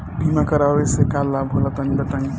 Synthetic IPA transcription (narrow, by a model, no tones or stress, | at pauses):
bimakəɾawesekalːabʱɦolat̪ənbət̪əŋ